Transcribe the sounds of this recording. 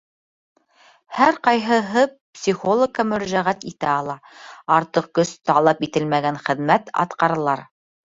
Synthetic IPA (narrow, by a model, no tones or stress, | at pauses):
hæɾqɑjɦɤ̆ɦɤpsʲiχolˠŏkːɑmɵ̆ɾæʒæʁæt̪it̪æɑlˠɑɑɾt̪ɤq̚kɵst̪ɑlˠɑpit̪ɘlmæɡænχɘ̆ðmæt̪ɑ̰t̪qɑɾɤ̆lˠɑɾ